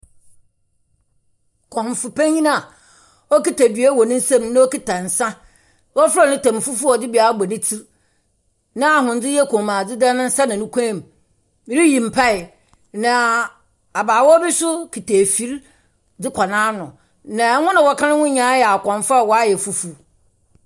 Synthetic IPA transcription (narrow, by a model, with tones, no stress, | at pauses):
kʰɔ̃˨m˨fʊ˨pʰã˦ɲĩ˦nã˦a˨ | ɔ˦ki˦˨ta˨dɥæ˦wɔ˨nɪ̃˦n̩˦sã˦mnã˦ɔ˦ki˦tʰa˨n̩˨sã˦ | wɔ˦fa˦˨nʊ̃˦tã˨m˨fu˦fu˦ɔ˨dɪ˦bi˨a˨˦bɔ˨nɪ̃˦tʰi˦ɾ | nã˦a˨ɦʊ̃˨n̩˨d͡zɪ˦jɛ˦kʰɔ̃˨mã˨d͡zɪ˦da˦nʊ̃˦n̩˦sa˦nã˨nʊ̃˦kʷʰã˦˨m˨˦ | ɾi˦jĩ˨m̩˨pʰa˦ɪ˨ | nã˨ | a˨baː˨wɔ˦bɪ˦sʊ˦kʰi˨tʰe˨fi˦ɾ | d͡zɪ˦kʰa˨nãː˦nʊ̃˨ | nã˨˦hʊ̃˦nã˨wɔ˦kʰã˦nɪ̃˦wʊ̃˦ɲã˨˦jɛ˨a˨kʰɔ̃˨n˨fa˦˨wɔ˨˦a˦jɛ˨fu˦fu˨